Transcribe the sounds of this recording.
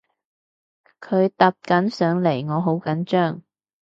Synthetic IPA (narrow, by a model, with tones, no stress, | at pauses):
kʰɵ˨˧ɥt̪ɐ˨˧p̚kɐ˨˥nsœː˨˧ŋle˨˩jŋɔː˨˧ɦo˨˥wkɐ˨˥nt͡ʃœː˥˩ŋ